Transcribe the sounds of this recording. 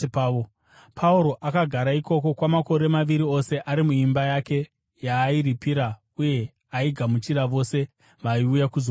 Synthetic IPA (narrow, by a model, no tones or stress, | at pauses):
pːo | pʰauɾo̞ʔakaɡʱaɾaiko̞ko̞kwamako̞ɾe̞maʋiɾio̞se̞ʔaɾimuimbajake̞ | jaːiɾipiɾa | uje̞ | aiɡʱamut͡ʃiɾaʋo̞se̞ | ʋaiujakuzo